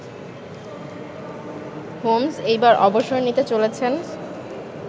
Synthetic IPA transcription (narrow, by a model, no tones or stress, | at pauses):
homsejbaɾʔɔboʃoenit̪et͡ɕolet͡ɕʰen